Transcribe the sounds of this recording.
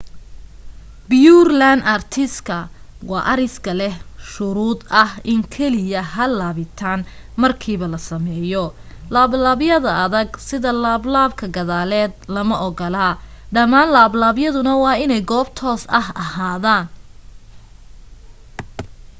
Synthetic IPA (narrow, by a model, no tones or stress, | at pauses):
bɪjuːrlanɐrt̪ʰɪskʰɐ | wɑ̰ːʔɐɾɪskʰɐlɛhʃʊɾuːd̪ɐhɪŋkʰɛlɪjɐɦɐlaːβɪt̪ʰaːn | mɐrkʰiːβɐlɐsɐmɛːjɔlaːblaːβjɐðɐɐðɐɡsɪðɐlaːblaːbkʰɐɡɐðaːlɛːd̪lɐmɐʔɔɡɔlaːɖɐmaːnlaːblaːbjɐðʊnɐwɑːɪnɛjɡɔːbt̪ʰɔːsɐhɐhaːðaːn